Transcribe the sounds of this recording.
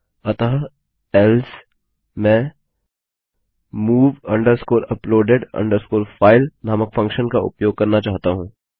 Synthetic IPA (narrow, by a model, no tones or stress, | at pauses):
ɐt̪a | ɛls | mɛ̃ː | muːʋɐ̃ɳɖəɾskoːɾɐploːɖeɖɐ̰̃ɳɖəɾskoːɾfaːɪlnaːməkfɐ̃ŋkʃənkaʊ̰pjoːɡ̚kɐɾnat͡ʃaːɦt̪aɦũː